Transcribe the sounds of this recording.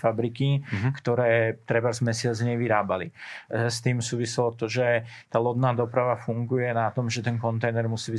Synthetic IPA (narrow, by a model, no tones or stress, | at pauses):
fabɾikikt̪ɔɾɛːt̪ɾɛbazmɛsɪad͡zɲɛʋiɾaːbalist̪iːmsuːʋisɛlɔt̪ɔʒɛt̪aːlɔd̪naːd̪ɔpɾaʋafuŋɡujɛnat̪ɔmʒɛt̪ɛnkɔnt̪ɛjnɛɾmusiːbi